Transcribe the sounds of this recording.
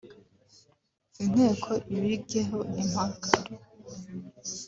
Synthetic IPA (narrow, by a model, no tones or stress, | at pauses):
in̥he̞ːkʰoʔiβiɡeɦoim̥aɡaɾo